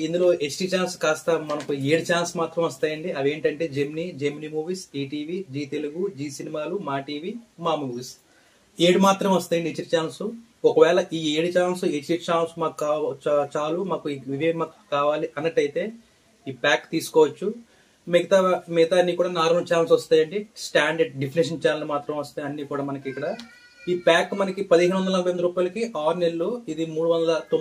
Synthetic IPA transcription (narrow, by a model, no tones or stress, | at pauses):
ind̪ulo̞ːʔet͡ʃʈit͡ʃaːnskaːst̪ɐmɐnɐkueːɽit͡ʃaːnsmaːt̪ɾɐmʋɐst̪aːjɐɳɖiʔɐde̞ːɳʈɐɳʈe̞ːd͡ʒemnid͡ʒemnimuːʋisiːʈiːʋiːd͡ʒiːt̪eluɡud͡ʒiːsinimaːlumaːʈiːʋiːmaːmuːʋis | eːɽimaːt̪ɾɐmʋɐst̪aːjɐɳɖiet͡ʃːiʈit͡ʃaːnsu | ɔkɐʋɛːɭɐʔiːeːɽit͡ʃaːnsuet͡ʃːiʈt͡ʃaːnsmaːkukaːt͡ʃaːlumaːkuiʋid͡ʒejɐmaːkkaːʋaːliʔɐnːɐʈːɐjt̪e̞ː | iːpaːkt̪iːsu̥kɔːʋɐt͡ʃːu | meɡɐt̪aːmet̪aɐnːiːkuːɽaːnaːɾuut͡ʃaːnlsʋɐst̪aːjɐɳɖisʈaːɳɖɐɖɖepʰiniʂ̬ɐnt͡ʃaːnɐlsmaːt̪ɾɐmʋɐst̪ɐnɐnːiːkuːɽaːmɐnɐkiikːɐɽa | iːpaːkmɐnɐkipɐd̪iɦeːɾuʋɐnd̪ɐlɐbɐjɐnd̪ɐɾuːpaːjlɐkiʔaːɾnelːuid̪imuːɽuʋɐnd̪ɐlɐt̪o